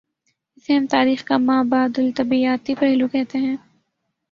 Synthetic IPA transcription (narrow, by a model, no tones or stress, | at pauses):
ɪseɦɐmt̪aːɾiːxkamaːbaːd̪ʊlt̪ɐbiaːt̪ipɛɦlukɛɦt̪eɦɛ̃ː